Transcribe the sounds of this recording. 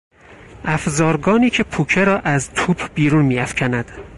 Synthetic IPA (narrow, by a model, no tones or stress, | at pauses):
ʔæfzɒːɾɡɒːniːcʰe̞pʰuːcʰeɾɒːʔæzt̪ʰuːpʰbiːɾunmiːæfcʰænæd̪̥